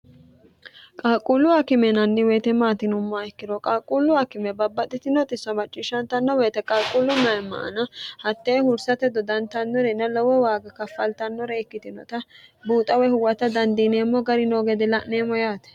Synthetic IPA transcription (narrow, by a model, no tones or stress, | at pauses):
kʼaːkʼːʊlʊwakɪmɛnɐnːɪwɛːt̪ɛmaːt̪ɪnʊmːaɛkːɪd̪ɔkʼaːkʼːʊlːʊɐkɪmɛbɐbːɐt̪ʼːɪt̪ɪnːɔt̪ʼɪsːɐmɐt͡ʃʼːiːʃɐnt̪ɐnːɔwɛːt̪ɛkʼaːkʼʊlːʊmɐjmːɐ̰ʔɐ̰nɐhɐt̪ːeːhʊɾsɐt̪ɛd̪ɔd̪ɐnt̪ɐnːɔɾɛnːɐlɔwɔwaːɡɐkɐfːɐlt̪ɐnːɔɾɛɛkːɪt̪ɪnɔ̰t̪ɐbuːt̪ʼɐwɛhʊwɐt̪ɐd̪ɐnd̪iːneːmːɔɡɐɾɪnoːɡɛd̪ɛlɐʔneːmːɔjaːt̪ɛ̥